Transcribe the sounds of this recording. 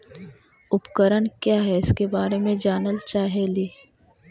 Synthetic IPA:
ʊpkəɾəɳkjaːɦɛɪskebaːɾemẽd͡ʒaːnəlt͡ʃaːɦeliː

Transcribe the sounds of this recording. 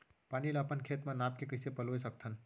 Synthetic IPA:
paːnileɐpənkʰet̪manaːp̚kekəsepəloesək̚t̪ʰən

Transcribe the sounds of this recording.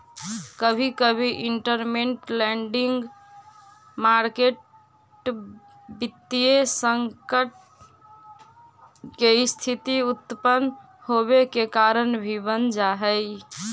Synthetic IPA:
kəbʱikəbʱiʔiɳʈəɾmeɳʈlɛɳɖiŋɡ | maɾkeʈ | bit̪ːijesəŋkəʈ̚ | keist̪ʰit̪iut̪ːpən | hoβekekaɾənbʱibənd͡ʒaɦəj

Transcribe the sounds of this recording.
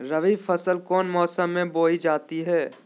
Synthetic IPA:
ɾɐʋiːfʰɐsəlkɔːnmɔːsəmːẽboːid͡ʒaːt̪iɦɛː

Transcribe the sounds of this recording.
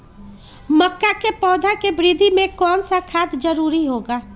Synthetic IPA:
məkːakepɔːd̪ʱakebɪɾid̪ʱimẽkɔːnsakʰaːt̪ʰd͡ʒəɾuːɾiɦoːɡaː

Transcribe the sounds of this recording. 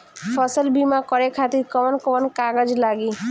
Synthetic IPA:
fʰɔsəlbimakɔɾekʰat̪iɾkɔmɔnkɔmɔnkaɡad͡ʑlaɡi

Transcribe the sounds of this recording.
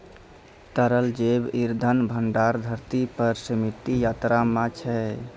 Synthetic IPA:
t̪əɾəld͡ʒebiɾd̪ʱənbʱəɳɖaɾd̪ʱəɾt̪ipəɾsəmit̪ijat̪ɾamãt͡ʃʰɛ

